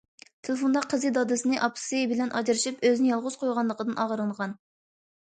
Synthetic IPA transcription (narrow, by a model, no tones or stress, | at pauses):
t̪ʰelˠɪfond̪ɑqʰːəzɨd̪ɑd̪ɨsɨnɨɪʔɑpʰsibɪlɛnʔɑd͡ʒiɾɨʃipøznɪjɑlˠʁʊz̥qʰojʁɑnlˠəqʰəd̪ɨnʔɑʁɾɨɴʁɑn